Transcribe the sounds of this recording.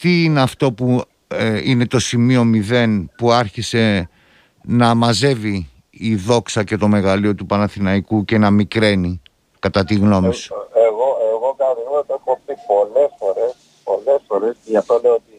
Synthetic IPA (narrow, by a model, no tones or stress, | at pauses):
t̪iineɐft̪o̞pu | ine̞t̪o̞simio̞miðe̞npuɐɾçise̞ | nɐmɐze̞viː | ðo̞ksɐce̞t̪o̞me̞ɣɐlio̞t̪upɐnɐθinɐikuce̞nɐmikɾe̞ni | kɐt̪ɐt̪iɣno̞miseɣoeɣokɐɐðiot̪oexopipo̞le̞sfo̞ɾe̞s | po̞le̞sfo̞ɾeseʝɐft̪oleoot̪i